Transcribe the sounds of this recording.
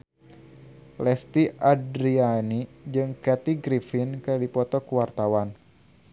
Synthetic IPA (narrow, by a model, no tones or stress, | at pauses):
lɛst̪iʔadɾianid͡ʒɨŋkɛt̪iɡɾifinkədipɔt̪ɔkuwart̪awan